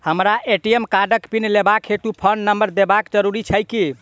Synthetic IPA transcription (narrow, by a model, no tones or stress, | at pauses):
həmɾaʔeʈijemkaɖəkpinlebakeʈupʰəɳɖnəmbəɾd̪ebakd͡ʒəɾuɾit͡ʃʰəjki